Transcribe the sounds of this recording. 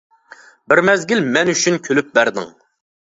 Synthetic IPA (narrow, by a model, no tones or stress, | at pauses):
bɪɾmɛzɡʲilmɛnyt͡ʃʰynkʲʰølyp̚bæɾd̪ɪ̰ŋ